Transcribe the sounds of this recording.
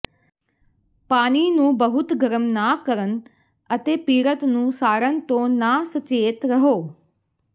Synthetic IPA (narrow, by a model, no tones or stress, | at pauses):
paːniːnũːbəɦʊt̪ɡəɾəmnaːkəɾən | ət̪eːpiːɾət̪nũːsaːɾənt̪õːnaːsət͡ʃeːt̪ɾəɦoː